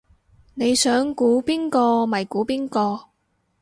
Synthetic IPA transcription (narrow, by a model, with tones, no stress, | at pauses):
ne˨˧jsœː˨˥ŋkuː˨˥piː˥nkɔː˧mɐ˨˩jkuː˨˥piː˥nkɔː˧